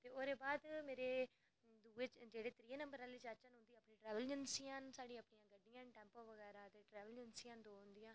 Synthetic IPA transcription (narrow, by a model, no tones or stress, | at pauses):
t̪eːoːɾeːbaːd̪meːɾeː | d̪uːeːt͡ʃd͡ʒeːɽeːt̪ɾiːeːnəmbəɾaːlit͡ʃət͡ʃənɦʊ̃nd̪iːəpnĩːʈɾɛːʋəld͡ʒənsijãːnsaːɖĩːəpɳijãːɡəɖːijãːnʈɛ̃ːmpoːʋəɡɛːɾaːt̪eːʈɾɛːʋəld͡ʒənsiãːnd̪oːɦʊ̃nd̪ijãː